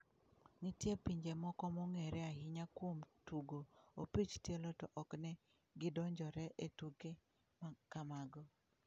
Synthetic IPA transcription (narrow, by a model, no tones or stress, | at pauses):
nitjepiɲd͡ʒemɔkɔmɔŋɛɾɛahɪɲakwomtuɡoopit͡ʃtjelɔtɔʔɔknɛ | ɡɪdɔɲd͡ʒɔɾɛʔetuke | makamaɡɔ